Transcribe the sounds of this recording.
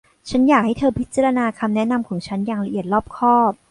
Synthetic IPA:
t͡ɕʰa˦˥njaː˨˩k̚ha˥˩t̪ʰɤː˧pʰi˦˥t̪̚t͡ɕaː˧ɾa˧naː˧kʰa˧mnɛ˦˥na˧mkʰɔː˩˦ŋt͡ɕʰa˦˥nja˨˩ŋɾa˧ʔi˨˩ət̪̚lɔː˥˩p̚kʰɔː˥˩p̚

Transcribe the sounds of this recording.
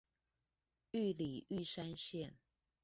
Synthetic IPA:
y˥˨li˨˩y˥˨ʂa˥˦nɕjɛ˥˨n

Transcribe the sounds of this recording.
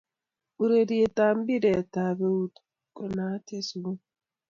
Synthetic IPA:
u˨ɾe˨di˨e˨ta˨m˦bi˦de˨ta˨be˦u˦t | ko˨na˨˦te˦su˨˦

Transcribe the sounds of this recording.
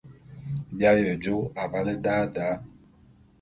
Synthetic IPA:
bja˦jə˨d͡ʒo˦a˨va˨lɛ˦daː˦daː˨˦

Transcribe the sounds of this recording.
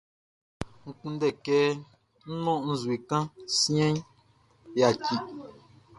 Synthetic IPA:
ŋ̩˨k͡pũ˦n˦dɛ˦˨kɛː˦ | n̩˦nɔ̃˦ʔn̩˦zi˨kã˦sĩ˦ɛ̃˦ɲ | ja˨ki˨ʔ

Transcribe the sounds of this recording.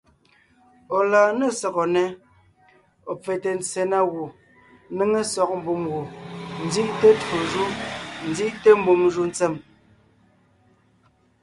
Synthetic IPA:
ɔ˨laː˨ne˦˨sɔ˨ɣɔ˨nɛ˨ | ɔ˨p͡fe˨te˨n˨t͡se˨na˦ɣu˨ | ne˦ŋe˦sɔ˨k̚m̩˦bu˨mɣu˨n̩˦d͡zi˦ʔte˦to˨ʒu˦n̩˨˦d͡zi˦ʔte˦m̩˦bu˨mʒu˦n˦t͡se˦˨m

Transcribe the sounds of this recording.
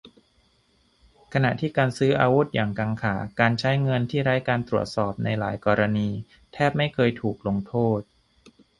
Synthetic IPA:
kʰa˧na˨˩ʔt̪ʰiː˥˩kaː˧nsɯː˦˥ʔaː˧wu˦˥t̪̚jaː˨˩ŋkaː˧ŋkʰaː˩˦kaː˧nt͡ɕʰa˦˥jŋɤ˧nt̪ʰiː˥˩ɾa˦˥jkaː˧nt̪ɾu˨˩ət̪̚sɔː˨˩p̚na˧jlaː˩˦jkɔː˧ɾa˧niː˧ | t̪ʰɛː˥˩p̚ma˥˩jkʰɤː˧jt̪ʰuː˨˩k̚lo˧ŋt̪ʰoː˥˩t̪̚

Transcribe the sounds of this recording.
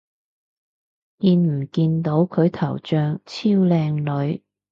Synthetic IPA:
jiː˨˧nm̩˨˩kiː˧nt̪o˨˧˥wkʰɵ˨˧ɥt̪ʰɐ̰˨˩wt͡ʃœː˧ŋt͡sʰiː˥wlɛː˧ŋlɵ˨˧ɥ

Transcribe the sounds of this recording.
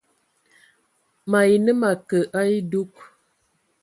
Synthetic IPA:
ma˨i˨nə˦ma˨kə˨ʔa˦i˦du˦k̚

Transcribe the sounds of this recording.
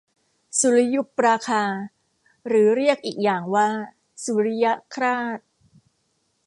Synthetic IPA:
su˨˩˦ɾi˦ju˦˥p̚ɾaː˧kʰaː˧ | ɾɯː˩˦ɾi˥˩ək̚ʔiː˨˩k̚jaː˨˩ŋwaː˥˩ | su˨˩˦ɾi˦˥ja˦˥kʰɾaː˥˩t̪̚

